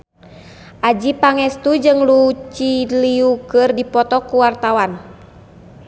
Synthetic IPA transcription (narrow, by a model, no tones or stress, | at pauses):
ʔad͡ʒipaŋɛst̪ud͡ʒɨŋlut͡ʃiliukɨrdipɔt̪ɔkuwart̪awan